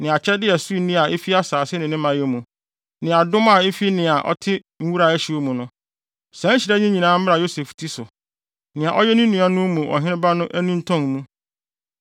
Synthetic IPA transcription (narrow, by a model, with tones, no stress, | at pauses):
nɪ̃˨a˨t͡ɕʰɛ˦dɪ˦ɛ˨su˦i˨nĩ˦a˨ʔe˦fi˦a˦saː˨sɪ˦nɪ̃˨nɪ̃˦mã˨jɛ˦mũ˨ | nɪ̃˨a˨dʊ̃˦ma˦˨e˦fi˦nɪ̃˨a˨ʔɔ̰˦tʰɪ˦ | ŋ̩˦wu˦ɾa˨æ˦ɕi˨o˦mũ˨nʊ̃˦ | sɛ̃˨˦ɲ̩˦ɕɪ˨ɾɛ˦ɲĩ˦ɲĩ˨nãː˦m̩˦m˦a˨jo˦se˨ftʰi˦sʊ˨ | nɪ̃˨a˨ʔɔ˦jɛ˦nũ˦nĩ˨˦a˦nʊ̃˦mũ˨ʔɔ̰˨ɦɪ̃˦ɾɪ̃˦ba˦nʊ̃˦ʔæ˦nĩ˦n̩˦tʰɔ̃˦ŋ˨mũ˦